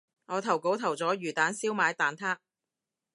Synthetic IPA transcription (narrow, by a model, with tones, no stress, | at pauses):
ŋɔː˨˧t̪ʰɐ˨˩wko˨˥wt̪ʰɐ˨˩wt͡sɔː˨˥ɥyː˨˩t̪aː˨˥nsiː˥wmaː˨˧jt̪aː˨nt̪ʰaː˥